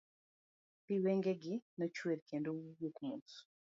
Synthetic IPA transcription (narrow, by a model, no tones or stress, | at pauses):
piweŋɡeɡɪnat͡ʃweɾkendojukmut